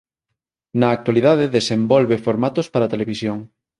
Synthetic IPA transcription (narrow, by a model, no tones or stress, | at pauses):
nɐːk̚t̪walið̞aðeðesembɔlβefoɾmat̪ospaɾat̪eleβisjoŋ